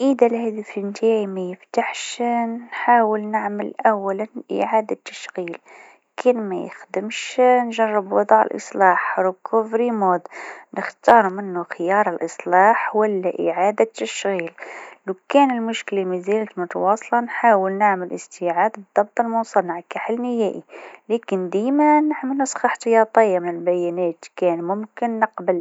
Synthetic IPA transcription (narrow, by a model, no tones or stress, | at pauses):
ʔəd̪alhæːd̪iflnt̪ʰaʕimæjəft̪aħʃnħaːwəlnaʕməlʔawːælanʔɪ̰ʕaːd̪at̪ːḁʃɣiːl | kʰæːnmæ̰jə̰xd̪əmʃnʒɑrˤːəbwɑd̪ˤʕə̰lʔɨ̰sˤlɑːħɾʊkʰufɾimoːd̪nəxt̪ɑːɾˤmɪnːuxɪjɑːɾˤəlʔɨsˤlɑːħwælːæʔɪʕad̪at̪ːæʃɣillukænəlmʊʃkəlimizælət̪mʊt̪ɑwɑsˤlɑnħawəlnaʕməlʔəst̪iʕad̪bəd̪ˤːɑb̚t̪ˤəlmʊsˤɑnəʕkæħəlnəhæʔilækənd̪imænəʕməlːʊsˤxɑħt̪ɑjɑt̪ˤəjːamənəlbæjænæt̪kænmʊmkənːəqbəl